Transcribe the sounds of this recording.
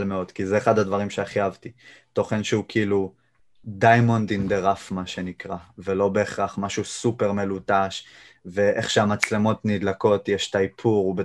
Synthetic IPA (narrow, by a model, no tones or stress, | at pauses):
lmeo̞d̥̪kizeːχadhadvaʁimʃeaχjavtito̞χenʃeukilu | dajmondimd̪eʁafmaʃe̞nikʁavelo̞be̞ːχʁaχmaʃusupe̞ʁme̞lutaʃ | ve̞ʔḛχʃeamat͡slemo̞tnidlako̞tjeʃtaipʰuʁube